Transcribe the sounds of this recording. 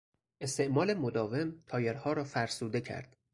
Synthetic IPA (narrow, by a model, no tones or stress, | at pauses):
ʔe̞st̪e̞ʔmɒːle̞mod̪ɒːve̞mt̪ʰɒːjeɾhɒːɾɒːfæɾsuːd̪e̞cʰæ̰ɾd̪̥